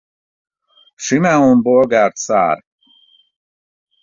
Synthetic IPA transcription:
ʃimɛonbolɡart̪sa̰ːr

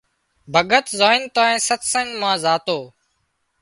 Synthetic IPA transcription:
bʱəɠət̪zaːɪnt̪aːẽːsət̪səŋɡmãːzaːt̪oː

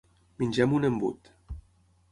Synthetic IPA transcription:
minʲd͡ʒɛmunəmbṵt̪

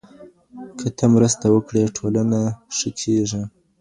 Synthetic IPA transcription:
kʰət̪ʰamɾəst̪awəkɽeʈʰolanaʂəkʰeʐi

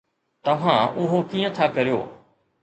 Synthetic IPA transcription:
t̪ɐʋ̤ãʊɦokiːə̃t̪ʰakɐɾijo̰ː

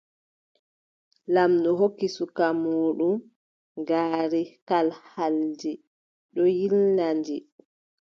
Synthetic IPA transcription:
lamnɔɦokːisukamuːɗum | ɡaːɾikalhald͡ʒi | ɗɔjilnand͡ʒi

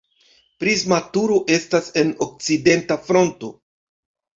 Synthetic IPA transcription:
pɾizmatuɾo̞ʔe̞stase̞nok̚t͡side̞ntafɾo̞nto̞

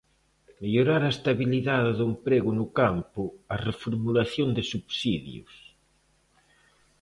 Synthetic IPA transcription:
meʎoɾaɾaest̪aβiliðaðɪðumpɾeɣʊnʊkampʊarefoɾmulaθjond̪ɪsuβsiðj̰ṵs

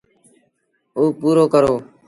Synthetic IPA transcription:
oːpuːɾoːkəɾoː

